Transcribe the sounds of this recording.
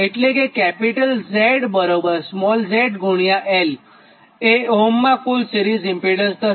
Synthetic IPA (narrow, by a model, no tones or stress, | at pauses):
eʈlekekɛpiʈəlzeɽbəɾobəɾsmɔlzeʈɡʱuɳ̃jaʔel | eomːãkulsiɾizimpiɽə̃nst̪ə